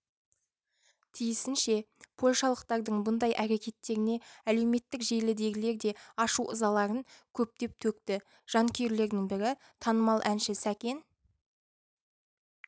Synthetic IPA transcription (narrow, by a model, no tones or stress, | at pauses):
t̪ʰijɪsɪnʃe̞pʰo̞lʲʃɑlˠəq̚t̪ɑɾd̪əɴbʊnd̪ɑjʔæɾekʲe̞t̪ːe̞ɾɪne̞æle̞wme̞t̪ːɪkʒe̞jlɪd̪e̞ɡʲɪle̞ɾd̪e̞ɑʃuʔʊ̰zɑlˠɑɾəŋkʲʰɵp̚t̪e̞p̚t̪ʰɵk̚t̪ɪ | ʒ̥ɑŋkʲʰejɾle̞ɾd̪ɪŋbɪɾɪ | t̪ʰɑnəmɑlˠʔænʃɪsækʲe̞n